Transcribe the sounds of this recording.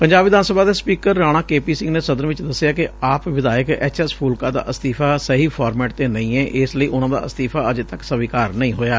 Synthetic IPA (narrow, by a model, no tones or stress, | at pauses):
pəɲd͡ʒaːbʋɪd̪aːnsəbaːd̪eːspiːkəɾːaːɽ̃ãːkeːpiːsɪ̃ŋɡneːsəd̪əɾʋɪt͡ʃd̪əsːɪjaːkɪaːpʋɪd̪aːjəkɛ̰ːt͡ʃɛspʰuːlkaːd̪a̰ːʔəst̪iːpʰaːsəɦiːpʰaːɾmɛːʈ̚t̪eːnəĩːɛːʔɪsləiːʔʊnãːd̪a̰ːəst̪iːpʰaːəd͡ʒeːt̪əksəʋiːkaːɾnəĩːɦoːjaː